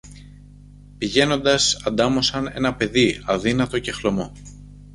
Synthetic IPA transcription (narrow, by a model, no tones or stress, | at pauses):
piʝe̞no̞nd̪ɐsɐnd̪ɐmo̞sɐne̞̰nɐpe̞ðiɐðinɐt̪o̞ce̞xlo̞mo̞